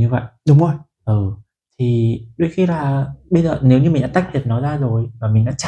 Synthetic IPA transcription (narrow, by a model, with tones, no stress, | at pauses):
ɲɨ˧və̰˧˨jʔɗʊ˨˦ŋ͡mo˨˩j | ʔɨː˨˩ | t̪ʰi˨˩ɗo˧˦jxi˧laː˨˩ɓə˧jzəː˨˩ne˨˦wɲɨ˧mï̟˨˩ɗa̰ː˧˥t̪ːk̚tʰi˨˩ət̚nɔ˨˦jzaː˧zo˨˩jmaː˨˩mi̟˨˩ɗa̰ː˧˥t͡ɕ